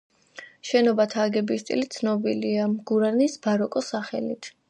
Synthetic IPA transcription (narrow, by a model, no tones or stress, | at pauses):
ʃɛnɔbat̪ʰaːɡɛbist̪ʼḭlit̪sʰnɔbiliamɡ̥uɾaɾnisbaɾɔkʼɔsaχɛlit̪ʰ